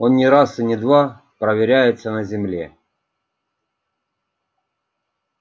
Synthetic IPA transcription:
onnʲɪɾasɨnʲɪd̪va | pɾəvʲɪɾʲæjɪt̪sənəzʲɪmlʲe

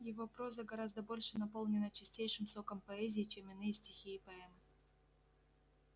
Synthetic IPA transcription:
jɪvo̞pɾo̞zəɡɐɾazd̪əbo̞lʲʂɨnɐpo̞lˠnʲɪnət͡ɕɪsʲtʲejʂɨmso̞kəmpɐɛzʲɪːt͡ɕemɪnɨjəsʲtʲɪxʲiːpɐɛmɨ

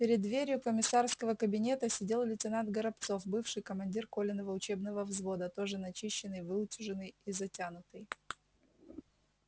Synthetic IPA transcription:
pʲɪɾʲɪd̪ːvʲeɾʲjʊkəmʲɪsarskəvəkəbʲɪnʲe̞t̪əsʲɪdʲe̞lˠlʲɪtʲɪnant̪̚ɡəɾɐpt̪so̞fbɨfʂɨjkəmɐnʲdʲirko̞lʲɪnːəvəʊt͡ɕe̞bnəvəvzvo̞d̪ət̪o̞ʐɨnɐt͡ɕiɕːɪnːɨjvɨʊtʲɪʐɨnːɨjizɐtʲanʊt̪ɨj

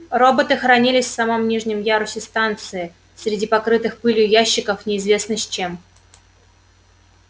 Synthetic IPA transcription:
ro̞bət̪ɨxɾɐnʲilʲɪsʲfsɐmomnʲiʐnʲɪmjaɾʊsʲɪst̪ant̪sɨɪ | sʲɾʲɪdʲipɐkɾɨt̪ɨxpɨlʲjʊjæɕːɪkəfnʲɪɪzvʲe̞snɨsʲt͡ɕe̞m

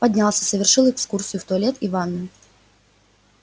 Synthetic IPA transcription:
pɐdʲnʲalˠsʲəsəvʲɪrʂɨlˠɛkskursʲɨjʊft̪ʊɐlʲet̪ɪvanːə

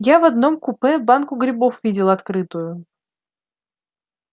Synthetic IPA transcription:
javɐd̪nomkʊpɛbankʊɡɾʲɪbofvʲidʲɪlˠɐt̪kɾɨt̪ʊjʊ

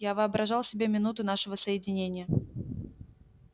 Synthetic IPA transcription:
javɨɐbɾʔɐʐɑlˠsʲɪbʲemʲɪnut̪ʊn̪aʂɨvəsəjɪdʲɪnʲenʲɪjə

